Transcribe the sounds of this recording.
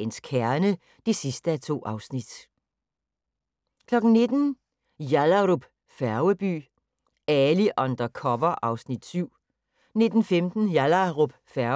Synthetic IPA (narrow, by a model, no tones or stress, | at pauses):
enskʰæɐnə | d̥esisd̥əæt͡sʰo̝̰ːʔɑ̈ʊsnid̥ | kʰlɒ̽ɡ̥n̩ne̝d̥n̩ | jælaʁob̥ | fæɐʊəb̥y̰ː | æliʔɒnd̥ɐkʰɒʋɐʔɑ̈ʊsnid̥syʊ̰ | ne̝d̥n̩femd̥n̩jælɐʁob̥fæɐ